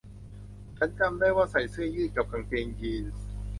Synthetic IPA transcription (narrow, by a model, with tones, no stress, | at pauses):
t͡ɕʰa˦˥nka˧mdaː˥˩jwaː˥˩sa˨˩jsɯ˥˩əjɯː˥˩ka˨˩p̚kʰa˧ŋpʰeː˧ŋt͡ɕiː˧n